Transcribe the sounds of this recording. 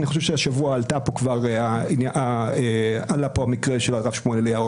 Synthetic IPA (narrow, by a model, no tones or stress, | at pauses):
niχoʃevʃeaʃavuaːltapokvaʁeainjaʔaealapohamikʁeʃeloaʁafʃmoneleja